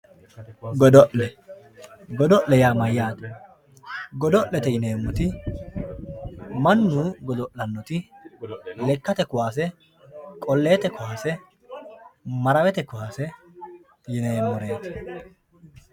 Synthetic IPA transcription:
ɡɔd̪ɔʔlɛ | ɡɔd̪ɔʔlɛjaːmɐjːaːt̪ | ɡɔd̪ɔʔːɛt̪ɛjɪne̞ːmːɔt̪ɪ | mɐnːuːɡɔd̪ɔʔlɐnːɔt̪ɪ | lɛkːɐt̪ɛkʊwaːs̬ɛ | kʼɔlːe̞ːt̪ɛkʊhaːsɛ | mɐɾɐwɛt̪ɛkʊhaːsɛ | jɪneːmːɔɾe̞ːt̪

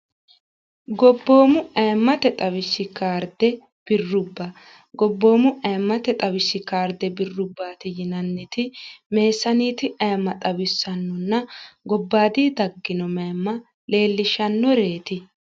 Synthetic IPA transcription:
ɡɔbːo̞ːmʊɐjmːɐt̪ɛt̪ʼɐβɪʃːɪkaːɾd̪ɛ | b̥ɪrːʊbːɐ | ɡɔbːo̞ːmʊʔɐjmːɐt̪ɛt̪ʼɐwɪsːɪkaːɾd̪ɛbɪrːʊbːaːt̪ɪjɪnɐnːɛt̪ɪme̞ːsːɐniːt̪ɪʔɐjɐmːɐt̪ʼɐwɪsːɐnːɔnːɐɡɔbːaːd̪iːd̪ɐɡːɪnɔmɐjmːɐ | le̞ːlːɪʃɐnːɔɾe̞ːt̪ɪ

